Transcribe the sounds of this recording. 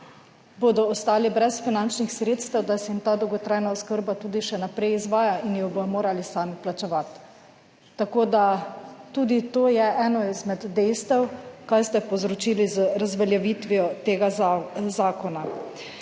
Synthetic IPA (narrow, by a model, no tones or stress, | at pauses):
boːd̪ɔɔst̪aːlibɾɛsfinant͡ʃnixsɾeːt̪st̪ɛwd̪asɛimt̪aːd̪ɔwɡɔt̪ɾajnaɔskəɾbat̪uːd̪iʃɛnapɾɛjizʋaːjainjɔbomoːɾalisaːmiplat͡ʃɛʋat̪ː | akoːd̪at̪uːd̪it̪oːjɛʔɛːnɔizmɛd̪ːɛjst̪ɛwkajst̪ɛpɔzɾɔt͡ʃiːlizəɾazʋɛljɛʋit̪ʋiɔt̪eːɡazaːkɔna